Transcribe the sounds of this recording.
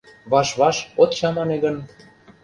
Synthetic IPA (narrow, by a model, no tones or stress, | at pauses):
βɑʃβɑʃot̪t͡ɕɑmɑneɣən